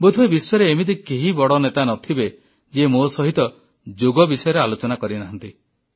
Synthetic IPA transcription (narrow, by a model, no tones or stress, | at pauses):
bud̪ʱuebiswaɾeːmid̪ikeɦibɔɽɔnet̪anɔt̪ʰibe | d͡ʒemosɔɦit̪ɔ | d͡ʒoɡɔbisɔjɔɾealot͡ʃɔnakɔɾinaɦnt̪i